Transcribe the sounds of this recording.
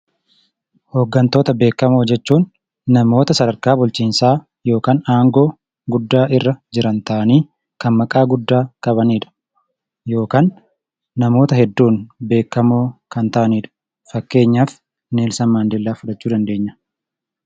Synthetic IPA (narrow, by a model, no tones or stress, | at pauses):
ho̞ːɡːɐnt̪o̞ːt̪ɐbe̞ːkːɐmoːd͡ʒɛt͡ʃːuːnː | ɐmo̞ːt̪ɐsɐd̪ɐɾkaːbʊlt͡ʃiːnsaː | jo̞ːkaːnaːŋɡo̞ː | ɡʊd̪ːaːʔɪrːɐd͡ʒɪɾɐnt̪ɐʔɐniː | kɐnmɐkʼaːɡʊd̪ːaːkʼɐbɐniːᶑɐ̥ | jo̞ːkaːnː | ɐmo̞ːt̪ɐhɛd̪ːuːnbe̞ːkːɐmoːkɐnt̪ɐʔɐniːᶑɐ̥ | fɐkːe̞ːɲːaːf | neːlsɐnmaːnd̪ɛlːaːfʊᶑɐt͡ʃːuːd̪ɐnd̪e̞ːɲːɐ̥